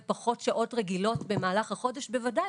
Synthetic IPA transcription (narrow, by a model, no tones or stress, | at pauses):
paχo̞tʃaʔo̞tʁeɡilo̞tbe̞maːlaχhaχo̞deʃbevada